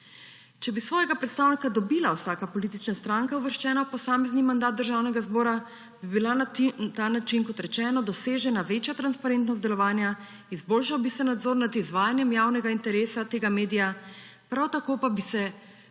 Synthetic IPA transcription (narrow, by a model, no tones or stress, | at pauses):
t͡ʃɛbisʋɔːjɛɡapɾɛt̪st̪aːwnikad̪ɔbilawsaːkapɔlit̪it͡ʃnast̪ɾaŋkauʋəɾʃt͡ʃɛːnawpɔsaːmɛznimand̪at̪̚d̪əɾʒaːwnɛɡazbɔːɾa | bibilat̪anat͡ʃinkɔt̪ɾɛt͡ʃɛːnɔd̪ɔseːʒɛnaʋeːt͡ʃjat̪ɾanspaɾent̪nɔst̪d̪ɛlɔʋaːnja | izboːlʃawbisɛnad̪zoːɾnad̪izʋaːjanjɛmjaːwnɛɡaint̪ɛɾeːsat̪eːɡameːd̪ija | pɾawt̪akoːpabisɛ